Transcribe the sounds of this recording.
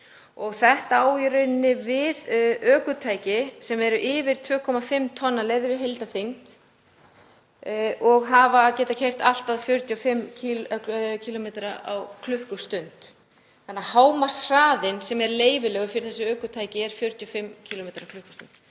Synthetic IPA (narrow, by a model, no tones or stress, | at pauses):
ɔɣθɛht̪aaːwjʏɾʏnːɪvɪðœːkʏt̪ʰaːjcɪsɛmɛɾʏʔɪːvɪɾ̥t̪ʰvʏːkʰɔmafɪmːt̪ʰɔnːalevɾɪɦejlt̪aθejnt̪ | ɔɣɦavacɛːt̪acʰɛjr̥t̪al̥t̪aðfjʏɾt̪ʰjʏɔfɪmːcʰ | cʰilɔmeːt̪ɾaʔa̰wkʰlʏhkʏst̪ʏnt̪ | θanːahaːwmasr̥aːðɪnsɛmɛɾleːjvɪlɛɣʏɾ̥fɪɾɪ̥ɾθɛsːʏœːkʏt̪ʰaːjcɪɛɾ̥fjʏɾt̪ʰjʏɔfɪmːcʰilɔmeːt̪ɾakʰlʏhkʏ̥st̪ʏnt̪